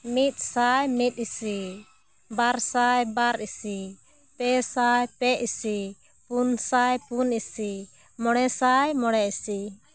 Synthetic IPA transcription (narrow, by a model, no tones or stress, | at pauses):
mit̪̚ˀsajmit̪̚ˀisi | baɾsajbaɾʔisi | pɛsajpɛʔisi | punsajpunisi | mɔɽ̃ɛsajmɔɽɛisi